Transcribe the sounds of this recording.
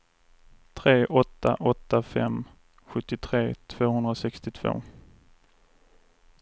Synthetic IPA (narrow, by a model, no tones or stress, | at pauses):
t̪ʰɾeːʔɔt̪ʰːa̰ʔɔt̪ːafɛ̰m | ɧɵt̪ːɪt̪ʰɾeːt̪ʰv̥oːhɵnd̪ɾaɔsɛkst̪ɪt̪ʰv̥o̰ː